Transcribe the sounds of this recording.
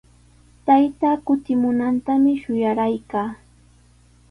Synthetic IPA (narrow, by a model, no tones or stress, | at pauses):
t̪ajt̪aːkʊt̪ɪmʊnant̪amɪʃʊjaɾajkaː